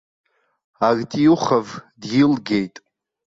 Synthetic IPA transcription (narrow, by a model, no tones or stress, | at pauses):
arʲtʼiuχavdjɪlɡʲejtʼ